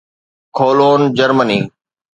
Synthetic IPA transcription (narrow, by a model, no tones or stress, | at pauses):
kʰoːloːnd͡ʑəɾməniː